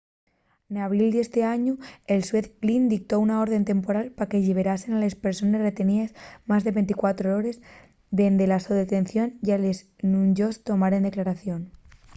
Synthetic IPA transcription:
naβild̪e̞st̪e̞aɲuelsweθlind̪ik̚t̪o̞unao̞ɾðe̞nt̪e̞mpo̞ɾalpake̞ʎeβ̞e̞ɾase̞nale̞spe̞ɾso̞ne̞sre̞t̪e̞niezmazðe̞βe̞nt̪ikwat̪ɾooɾe̞z | d̪e̞nd̪elasoðet̪e̞nθjo̞nʝalez | nuɲd͡ʒost̪o̞maɾend̪e̞klaɾaθjo̞n

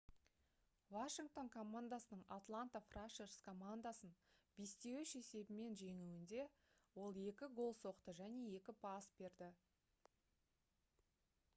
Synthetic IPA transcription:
vaʃiŋk̚t̪o̞ŋkʰo̞mand̪asənəɴat̪lˠant̪afraʃeɾskʰo̞mand̪asənbe̞st̪e̞wɪʃe̞se̞bɪme̞nʒe̞ŋuwɪnd̪e̞wo̞lˠe̞kʲɪɡo̞lˠso̞qt̪əʒæne̞e̞kʲɪpʰasbe̞ɾd̪ɪ

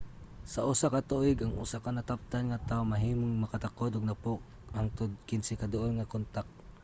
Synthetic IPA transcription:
saʔʊsakat̪uʔɪɡaŋʔʊ̰sakanat̪ap̚t̪anŋat̪aʊmɐɦiːmʊŋmɐkat̪akod̪ʊɡ̚napʊk̚ | aŋt̪ʊd̪kɪnsɛkad̪ʊʔonŋakont̪ak̚

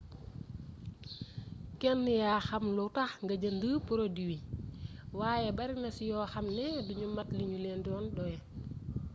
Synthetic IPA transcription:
kɛnːijaːxɐmlɔtaxŋɡɐɟɐndəːpuɾodiwi | waːjɛbɐɾinɐsijɔːxɐmnɛduɲumɐtliɲulɛndɔːnɗɔjɛ

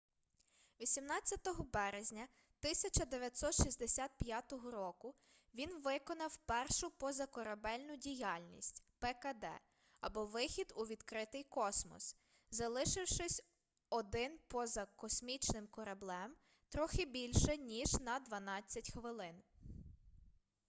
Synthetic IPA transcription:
ʋʲisʲimnɑt͡sʲːɐt̪ɔɦɔbɛɾezʲnʲɐ | t̪ɪsʲɐt͡ʃɐd̪eʋʲjɐt̪ʲsɔt̪ʃisʲd̪esʲat̪̚pʲjat̪ɔɦɔɾɔkʊ | ʋʲinʋɪkɔnɐwpɛrʃʊpɔzɐkɔɾɐbɛlʲnʊdʲijɑlʲnʲḭsʲtʲpɛkɐd̪ɛ̰ | ɐbɔʋɪxʲid̪uʋʲid̪̥kɾɪt̪ɪjkɔsmɔ̰s | zɐlˠɪʃɪwʃɪsʲ | ɔd̪ɪnpɔzɐkɔsmʲit͡ʃnɪmkɔɾɐblˠɛm | t̪ɾɔxɪbʲilʲʃɛnʲiʒnɐd̪ʋɐnɑt͡sʲːɐtʲxʋɪlˠɪn

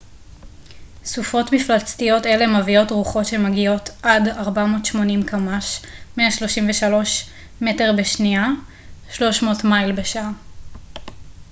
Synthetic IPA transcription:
sufo̞tmiflat͡stijo̞telemavio̞tʁuχotʃemaɡio̞tʔadaʁbamo̞ːtʃmo̞nimkamaʃmeaʃlo̞ʃimveʃalo̞ʃ | me̞te̞ʁbeʃnia | ʃlo̞ʃmo̞ːtmajlbeʃa

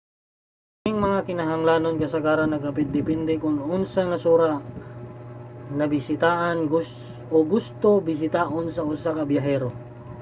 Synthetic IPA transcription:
ɡɪŋmɐŋakɪnɐɦɐŋlaːnonkɐsɐɡaːɾɐnːɐɡɐpɪt̪̚d̪ɪpɛnd̪ɛkʊnʊnsɐnɐsuːɾa | nɐbɪsɪt̪aːʔɐnɡʊ | oɡʊst̪obɪs̬ɪt̪aːʔonsɐʔʊsakɐbjɐɦɛːɾo

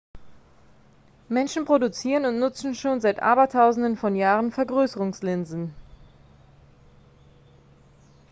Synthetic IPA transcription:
mɛnʃn̩pʁ̥odut͡siːʁənʊntnʊt͡sn̩ʃoːnzaɪtʔa̰ːbɐtʰaʊzn̩dənfɔnjaːʁənfɛɐɡʁøːsəʁʊŋslɪnzn̩

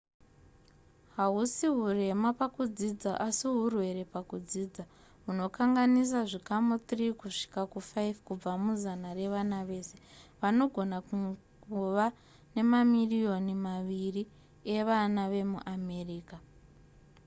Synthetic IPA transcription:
ɦaɦusiɦure̞mapakud͡zid͡zaʔasiɦurwe̞ɾe̞pakud͡ziːd͡za | ɦuno̞kaŋɡanis̬aʐikamut̪rikuʂi̥kakufajvkub͡vamuzanare̞ʋanaʋe̞ːse̞ʋano̞ɡʱo̞nak | kuʋa | ne̞mamirijo̞nimaʋiri | e̞ʋanaʋe̞mṵʔame̞riːka

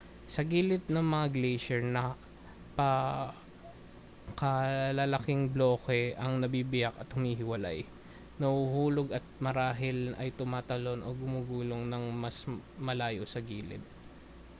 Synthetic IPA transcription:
sɐɡiːlɪt̪̚nɐŋmɐŋaɡlɛjʃɛɹnɐ | pɐ | kɐlɐlɐkɪŋbloːkɛʔɐŋnɐbiːbɪjakɐt̪hʊmiːɦɪwɐla̰j | nɐhuhuːloɡɐt̪̚mɐɾaːɦɪlʔɐ̰jt̪ʊmaːt̪ɐlo̞nʔoɡʊmuːɡuːloŋnɐŋmɐsmɐlaːjosɐɡiːlɪ̰t̪̚

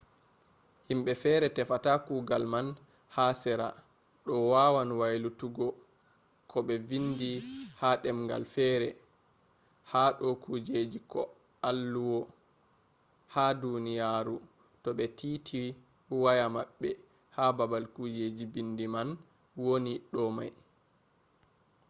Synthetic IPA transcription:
himɓɛfɛɾɛtɛfatakuɡalman | hasɛɾa | ɗɔwawanwajlutuɡɔ | kʰɔɓɛvindihaɗɛmŋɡa̰lfɛːɾɛ | haɗɔkud͡ʒed͡ʒikɔ | alːuwɔ | hadunijaːɾu | tɔɓɛtiːtʰi | wajamaɓːɛ | hababalkud͡ʒed͡ʒibindiman | woniɗɔma̰j

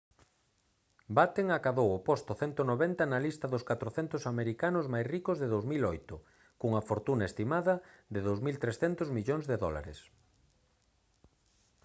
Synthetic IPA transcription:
bat̪eŋakaβowopost̪ʊθɛnt̪onoβɛnt̪ɐnɐlist̪ɐðʊskat̪ɾoθɛnt̪ʊsameɾikanʊzmajsrikʊzðeðowzmilojt̪ʊ | kuŋɐfoɾt̪unɐest̪imaðɐðɪðowzmilt̪ɾesθɛnt̪ʊzmiʎoŋzðeðɔla̰ɾḛs

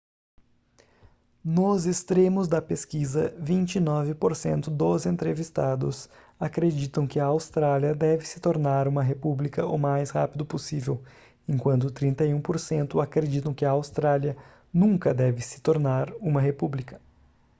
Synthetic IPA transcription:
nʊzɪst̪ɾẽmʊzd̪ɐpeskizɐvĩnt͡ʃɪnɔvɪpoɾsḛ̃nt̪ʊd̪ozẽnt̪ɾevist̪ad̪ʊ̰s | akɾed͡ʒit̪ɐ̃w̃kɪɐawst̪ɾaljɐd̪ɛvɪsɪ̥t̪oɾnaɾũmɐɦepublikɐʊmajsha̰pid̪ʊposivew | ẽŋkwɐ̃nt̪̬ʊt̪ɾĩnt̪ɐjũpoɾsẽnt̪ʊakɾed͡ʒit̪ɐ̃w̃kɪɐawst̪ɾaljɐ | nũkɐd̪ɛvɪsɪ̥t̪oɾnaɾũmɐɦepublikɐ̥

